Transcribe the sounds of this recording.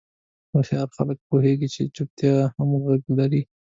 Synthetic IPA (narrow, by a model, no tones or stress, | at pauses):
baxjɑɾxa̰lək̚poɦeɡit͡ʃḛt͡ʃʊp̚t̪jahamuɣaɡlaɾi